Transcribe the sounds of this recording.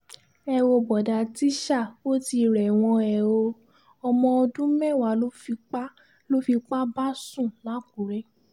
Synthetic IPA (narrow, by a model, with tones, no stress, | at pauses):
ɛ˧wo˧bɔ˨da˨ti˦ʃa˦˨o˦ti˧ɾɛ˨w̃ɔ̃˧ɛ˨o˧ | ɔ˧mɔ̃˧o˧dũ˦mɛ̃˦˨wa˨˦lo˦fi˧k͡pa˦ | lo˦fi˧k͡pa˦ba˦sũ˦˨la˨˦ku˨ɾɛ˨˦